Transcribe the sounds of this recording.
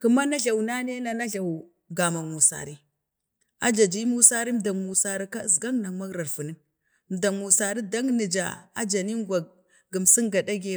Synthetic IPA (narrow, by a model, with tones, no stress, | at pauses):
ku˨ma˦na˦ɮa˨wna˦ne˦na˨na˦ɮa˨w | ɡa˨ma˨mu˨sa̰˨ɾi˦ | a˦d͡ʒa˨d͡ʒi˦mu˦sa˦ɾi˦m˦da˨ŋmu˨sa˦ɾi˦ka˦˨sɡa˦ŋna˨ŋma˦ɡɾa˨ɾfu˨ni˦n˨ | m˨da˨ŋmu˨sa˨ɾi˦da˦ŋ˦nə˨d͡ʒa̰˨a̰˦d͡ʒa˨ni˦ŋɡʷa˨ | ɡə˨msi˦ŋɡa˨da˦ɡe˦